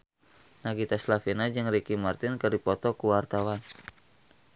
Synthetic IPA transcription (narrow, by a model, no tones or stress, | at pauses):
naɡit̪aslafinad͡ʒɨŋrikimart̪ɪnkərdipɔt̪ɔkuwart̪awan